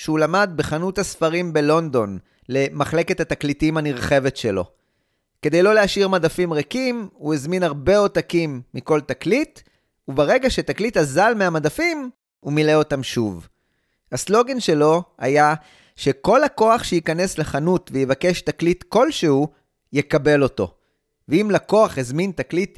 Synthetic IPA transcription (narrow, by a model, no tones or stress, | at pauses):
ʃulamad̪̚beχanuthasfaʁimbe̞lo̞nd̪o̞n | le̞maχle̞kethat̪aklitimhaniʁχe̞ve̞tʃelo̞̰ | ke̞d̪e̞jlo̞leaʃiʁmadafimʁekimuezminaʁbe̞o̞t̪akimːiko̞ltaklit | ubaʁe̞ɡaʃetaklitazalmeamadafim | umileo̞tamʃuv | haslo̞ɡe̞nʃe̞lo̞a̰ja | ʃe̞ko̞lako̞aχʃeikane̞sleχanutvejevake̞ʃtaklitko̞lʃehu | jekabe̞lo̞to̞̰ | veimlako̞aχezmintaklit